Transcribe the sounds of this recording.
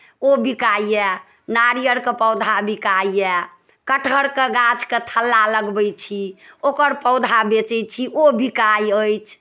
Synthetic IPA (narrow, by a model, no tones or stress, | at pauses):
obikajɛ | naɾijəɾkepəwd̪ʱabikaiɛ | kəʈʰəɾkeɡat͡ʃket̪ʰəlːaləɡbəjt͡ʃʰiokəɾpəʊd̪ʱabet͡ʃɛjt͡ʃʰiʔobikajəjt͡ʃʰ